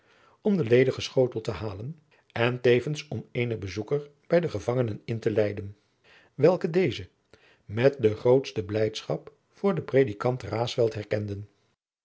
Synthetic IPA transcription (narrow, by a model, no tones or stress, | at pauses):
ɔmdəlejdəχəsχowtəl̩ˠtəɦaːlən | ɛntejvənsɔmeːjnəχbəzukəɹb̥ɛjdəχəvɑŋənənɪntəlɛjdən | ʋɛlˠkədejzə | mɛt̚dəχrowtstəblɛjtsχɑp | fʊːɹdəprejdikɑntraːsʋɛlˠtɦɛrkɛndən